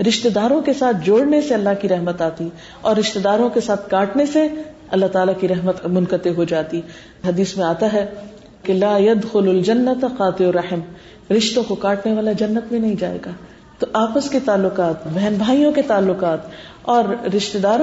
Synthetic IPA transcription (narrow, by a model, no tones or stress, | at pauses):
ɾɪʃt̪ed̪aːɾõkesaːt̪ʰd͡ʒoːɽneseɐlːaɦkiɾɛɦmət̪aːt̪i | ɔːɾːɪʃt̪ed̪aːɾõkesaːt̪ʰkaːʈnese | ɐlːaɦt̪aːlakiɾɛɦmət̪mʊnkət̪eɦod͡ʒaːt̪i | ɦɐd̪iːsmẽaːt̪aɦɛ | kelaːjɐd̪xʊlɐld͡ʒɐnːət̪qaːt̪ɪoɾɐħɪm | ɾɪʃt̪õkokaːʈneʋaːlad͡ʒɐnːət̪mẽnɐɦĩd͡ʒaːḛːɡaː | t̪oʔaːpəsket̪aːlːʊqaːt̪bɛɦnbʱaːijõket̪aːlːʊqaːt̪ | ɔːɾːɪʃt̪ed̪aːɾõ